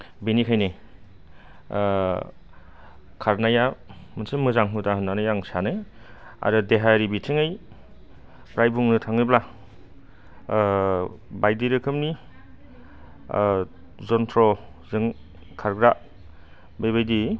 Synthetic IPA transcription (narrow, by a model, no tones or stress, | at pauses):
benikʰajne | kʰaɾnajamɯnsɯmɯzaŋɦutaɦɯnːanɯjaŋsanɯa̰ɾɯdeɦaɾibitʰiŋɯj | pɾajbuŋnɯtʰaŋnɯbla | bajdiɾɯkʰɯmni | zɔntʰɾɔ | zɯŋ | kʰaɾɡɾa | bajβajdi